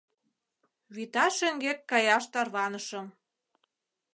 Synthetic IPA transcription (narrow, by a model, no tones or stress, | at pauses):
βit̪ɑʃeŋɡekːɑjɑʃt̪ɑrβɑnəʃɤ̆m